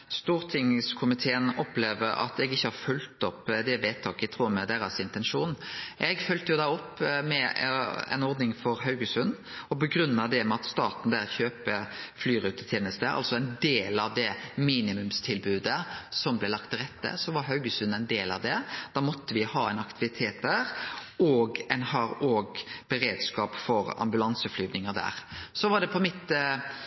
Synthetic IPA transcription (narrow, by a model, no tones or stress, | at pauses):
st̪uːʁt̪ʰɪŋskʰʊmɪt̪ʰeːənɔpleːʋəɾɑ̰t̪ɛɡɪçːəhɑɾfʉlt̪ɔpːd̪ɛʋeːt̪ʰɑːkəɪt̪ʰʁuːmɛd̪æɾɑsɪnt̪ɛnʂuːnʔɛɡfœlt̪əjʊd̪ɑːɔpːmɛɛ̰nɔɾd̪nɪŋfɔɾɦɑʉɡəsʉn | ɔbəɡɾʉnːɑd̪ɛmɛɑt̪st̪ɑːt̪n̩d̪æːɾçøːpəflyːɾʉːt̪ə̥t̪ʰjeːnəst̪əʔɑ̰lsɔɛɪnd̪eːlɑʋd̪ɛmiːnɪmʉmst̪ʰɪlbʉːd̪əsɔmblɛɪlɑk̚t̪ʰːɪɾɛt̪ːə̰sɔʋɑɾɦɑʉɡəsʉnːæɪnd̪eːlɑ̰ʋd̪ɛd̪̥ɑːmɔt̪ːəʋɪhɑːɛɪnɑkt̪ɪʋɪt̪ʰeːt̪̚d̪æːɾɔɡɛɪnhɑɾoːɡbəɾeːd̪skɑːpfɔɾɑ̰mbʉlɑnsəflyːʋnɪŋəɾd̪æ̰ːʁsɔʋɑɖ̪ɛpʰɔmɪt̪ː